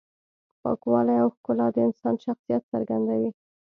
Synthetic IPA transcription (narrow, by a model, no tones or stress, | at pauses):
pɑ̰kwɑlajawxkʊlɑd̪əɪnsɑnʃaxsijat̪səɾɡand̪awi